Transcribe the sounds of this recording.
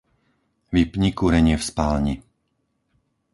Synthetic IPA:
ʋipɲikuɾɛɲɪɛfspaːlɲi

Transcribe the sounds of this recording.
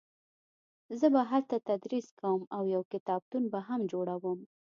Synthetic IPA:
zəbaɦalt̪at̪ad̪ɾiskawəmawjawkɪt̪ɑb̚t̪unbaɦamd͡ʒoɽawəm

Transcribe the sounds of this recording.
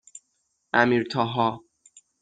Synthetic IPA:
æmiːɾt̪ʰɒɦɒ

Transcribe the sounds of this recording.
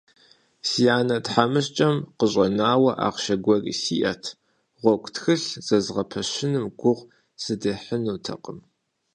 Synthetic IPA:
sijaːnɐtħamɨɕt͡ʃʼɐmqəɕʼɐnaːwɐʔa̰ːqʃɐɡʷɔrḭːsḭːʔɐtʰ | ʁʷɔkʷʰʼtxɨɬz̥ɐzʁɐpʰɐɕɪnɨmɡʷʊʁ | sɨdeːħənuːtʰɐ̰qəm

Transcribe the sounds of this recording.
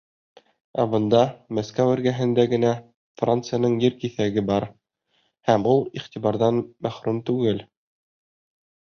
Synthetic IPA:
æbɤ̆nd̪ɑmæskæwɘ̆ɾɡæɦɘ̆nd̪æɡɘ̆næ | frant̪sɨjanɤɴjɘɾkiθæɡɘbɑɾ | hæmulˠiχt̪iβɑɾðɑnmæχɾumt̪ʉɡɘl

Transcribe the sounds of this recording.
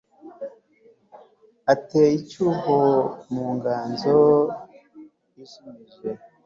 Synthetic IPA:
ateicuhomuːŋɡaːnzo | jiʃimiʒe

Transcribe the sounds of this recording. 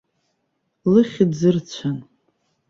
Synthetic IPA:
lɨχʲɪdzɨrt͡ɕʷʰan

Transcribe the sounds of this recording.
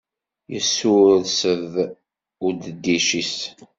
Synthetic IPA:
jəsːʊɾðsəð | ʊɾd̪əd̪ːiʃis

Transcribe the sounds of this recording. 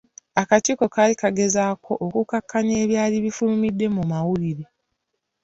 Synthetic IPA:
akaciko̞kaːlikaɡe̞zaːkʰo̞ʔokukakːaɲeːβjaːliβifulumidːe̞mumawuliɾe̞

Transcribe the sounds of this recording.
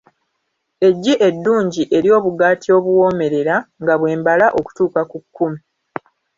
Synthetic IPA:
e̞ɟːiʔedːuːɲɟiʔe̞ɾjo̞ːβuɡaːtʰio̞ːβwwo̞ːme̞ɾe̞ɾaŋɡaβwe̞ːmbalaʔo̞ku̥tuːkakukʰːumi

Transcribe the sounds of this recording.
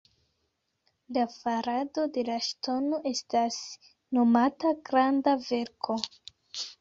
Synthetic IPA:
lafaɾado̞de̞laʃtʰo̞noʔe̞stas | no̞mataɡɾandave̞ɾkʰo̞

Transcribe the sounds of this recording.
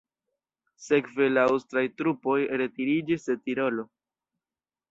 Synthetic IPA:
se̞kve̞laawstɾajtɾupo̞jɾe̞tiɾid͡ʒisde̞tiɾo̞lo̞

